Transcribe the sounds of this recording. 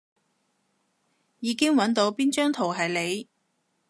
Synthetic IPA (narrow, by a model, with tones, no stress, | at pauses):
jiː˨˧˥kɪ˥ŋwɐ˨˥nt̪o˨˧wpiː˥nt͡ʃœː˥ŋt̪ʰo˨˩wɦɐ˨jle˨˧j